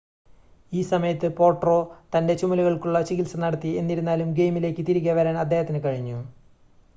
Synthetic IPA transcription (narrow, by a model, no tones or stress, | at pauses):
iːsɐmɐjɐt̪ːɨpo̞ːʈro̞ːt̪ɐnde̞t͡ɕumɐluɣɐɭkuɭːɐt͡ɕikɣilsɐnɐɽɐt̪ːie̞nːiɾunːaːlumɡe̞jmileːkːɨt̪iɾuɣʲɐʋɐɾaːnɐd̪ʱːe̞ːhɐt̪ːinɨkɐɻiɲːu